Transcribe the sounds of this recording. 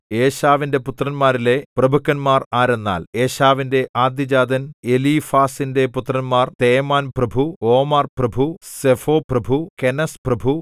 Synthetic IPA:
eːɕaːʋinde̞put̪rɐnmaːɾile̞prɐbʱukːɐnmaːraːɾenːa̰ːle̞ːɕaːʋinde̞ʔaːd̪jɐd͡ʑaːd̪ʱɐne̞lifaːsinde̞put̪rɐnmaːrt̪e̞ːmaːnprɐbʱuoːmɐrprɐbʱusefoːprɐbʱukenɐsprɐbʱu

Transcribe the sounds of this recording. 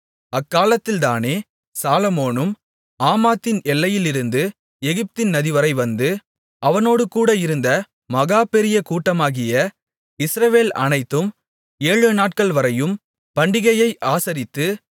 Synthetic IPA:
ɐkːaːlɐt̪ːɪlt̪aːneː | saːlɐmoːnɯm | aːmaːt̪ːɪnɛlːɐjɪlɪɾɯnd̪ɯ | ɛɣɪp̚t̪ɪnnɐðɪʋɐɾɐɪʋɐnd̪ɯ | ʔɐʋɐnoːɽɯkuːɽɐɪɾɯnd̪ɐ | mɐɣaːpɛɾɪjɐkuːʈːɐmaːɣɪjɐ | ɪsɾɐʋeːlɐ̰nɐɪt̪ːɯm | eːɻɯnaːʈ̚kɐɭʋɐɾɐjɯm | pɐɳɖɪɣɐjɐɪʔaːsɐɾɪt̪ːɯ

